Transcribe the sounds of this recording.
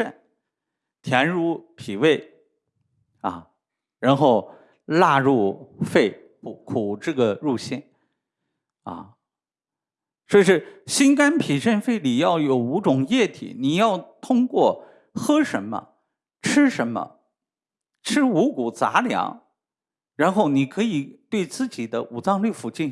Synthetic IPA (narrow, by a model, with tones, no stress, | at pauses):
ə˥˩n | t̪ʰjɛ˧˥nɻu˥˩pʰi˨˩we˥˩ɪ | ɐ̰˥˩ | ɻa˧˥nxo˥˧ʊ | la˥˧ɻu˥˧fe˥˩ɪ | pu˨˩kʰu˨˩ʈ͡ʂɤ˥˩ɡə˩ɻu˥˧ɕɛ˥˩n | ɐ̰˥˩ | swɔ˧˥i˧˩ʂɻ̩˥˧˩ɕi˥nka˥npʰi˨˩ʂə˥˧nfe˥˩ɪli˨˩jɑ˥˩ʊjo˨˩ʊu˧˥ʈ͡ʂʊ˨˩ŋjɛ˥˩t̪ʰḭ˨˩˦ni˨˩jɑ˥˩ʊt̪ʰʊ˥ŋkwɔ˥˩ | xɤ˥ʂə˧˥nmə̰˧ | ʈ͡ʂʰɻ̩˥ʂə˧˥nmə̰˧ | ʈ͡ʂʰɻ̩˥u˧˥ku˨˩t͡sa̰˧˥ljɑ̰˧˥ŋ | ɻa˧˥nxo˥˩ʊni˨˩kʰɤ˧˥i˨˩t̪we˥˧ɪt͡sɹ̩˥˩t͡ɕi˨˩d̪ə˦ʔu˨˩t͡sɑ˥˧ŋly˥˩fu˨˧˩t͡ɕi˥˩n